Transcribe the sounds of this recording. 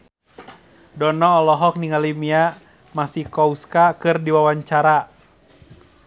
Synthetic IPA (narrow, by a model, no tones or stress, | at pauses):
dɔnɔːlɔɦɔk̚niŋalimia | masihkɔuskakɨrdiwawaɲt͡ʃaɾa